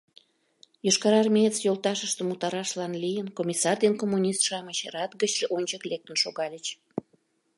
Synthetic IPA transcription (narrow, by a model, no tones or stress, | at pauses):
joʃkɑɾɑrmʲiet͡sjolˠt̪ɑʃəʃt̪əmut̪ɑɾɑʃlɑnlijənkomʲisɑrd̪enkomːunʲist̪ʃɑmət͡ɕrɑt̪ɡət͡ɕʒeʔonʲt͡ɕəklek̚t̪ənʃoɣɑlʲət͡ɕ